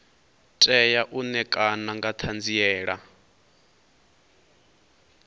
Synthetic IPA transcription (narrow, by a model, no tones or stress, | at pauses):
tʼɛjaʔunɛkʼanaŋɡat̪ʰand͡ziɛːɺa